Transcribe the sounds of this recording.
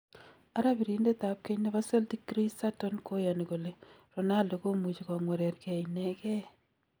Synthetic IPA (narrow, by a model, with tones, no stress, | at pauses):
a˦ɾa˦bi˨ɾi˦nde˦ta˨p̚ke˦ɲneβa˦se˦lti˦kːɾi˦sa˦to˦nko˦ja˨ni˨ko˨le˨rɔ˨na˦ldo˨ko˦mu˨t͡ʃi˨kɔ˨ŋwɛ˨ɾɛ˨rkɛ˨inɛkɛ˦